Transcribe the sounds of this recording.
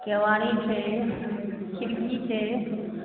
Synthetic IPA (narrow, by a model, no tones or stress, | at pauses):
keʋaːñit͡ʃʰeː | kʰɪɾkit͡ʃʰeː